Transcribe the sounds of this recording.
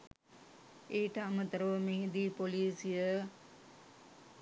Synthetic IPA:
eːʈɐɐmət̪əɾəʋəmeɦid̪iːpoliːsijə

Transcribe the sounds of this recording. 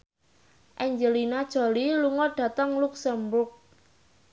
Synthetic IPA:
ʔɛɲd͡ʒəlinad̥ʒ̥o̤liluŋɔɖ̥ä̤t̪əŋluksəmbʊrk̚

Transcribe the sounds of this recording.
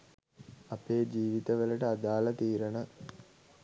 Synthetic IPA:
ɐpeːd͡ʒiːʋit̪əʋələʈəad̪aːlɐt̪iːɾənə

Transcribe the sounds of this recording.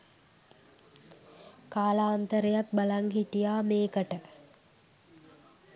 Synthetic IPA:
kaːlaːnt̪əɾejat̪̚bɐlaŋɦiʈijaːmeːkəʈə

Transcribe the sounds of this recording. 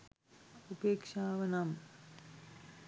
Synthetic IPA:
upeːkʂaːʋɐnam

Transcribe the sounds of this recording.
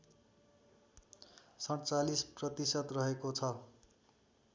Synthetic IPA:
sʌɽt͡salisprʌt̪isʌt̪rʌɦekot͡sʰʌ

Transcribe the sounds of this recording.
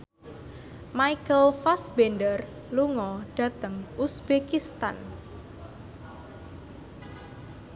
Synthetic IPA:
maikəlfasbendər | luŋɔɖ̥ä̤t̪əŋʔusbekist̪a̰n

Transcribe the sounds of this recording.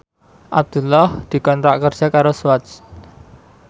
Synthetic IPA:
ʔab̚d̪̥ṳlɔhd̪̥i̤kɔnt̪ɾaʔkərd̥ʒ̥akaɾoswat͡ʃ

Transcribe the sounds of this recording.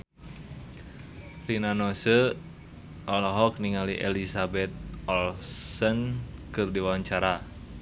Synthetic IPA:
rinanɔsə | ʔɔlɔɦɔk̚niŋaliʔḛlisabɛt̪̚ɔlsɔnkɨrdiwaɲt͡ʃaɾa

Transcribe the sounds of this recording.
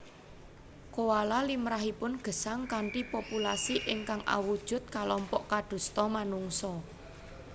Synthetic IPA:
kowalalimɾaɦipʊnɡ̥ə̤saŋkaɳʈipopulasiʔɪŋkaŋʔa̰wud̥ʒ̥ʊ̤t̪̚kalɔmpɔʔkaɖ̪̥ṳst̪ɔmanuŋsɔ

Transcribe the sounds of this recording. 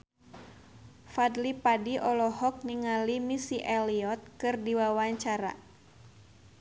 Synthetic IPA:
fad̪lipadiʔɔlɔhɔk̚niŋalimisiʔɛliɔt̪̚kɨrdiwawaɲt͡ʃaɾa̰

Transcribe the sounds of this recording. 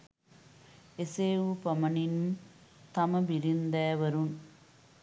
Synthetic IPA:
eseːʋupɐmɐninum | t̪ɐmɐbiɾind̪aːʋɐɾɯn

